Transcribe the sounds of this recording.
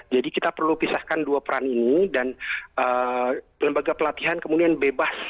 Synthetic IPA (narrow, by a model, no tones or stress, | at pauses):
d͡ʒadikit̪apərlupisahkanduapəɾaninidanə | ləmbaɡapəlat̪iɦankəmudianbebas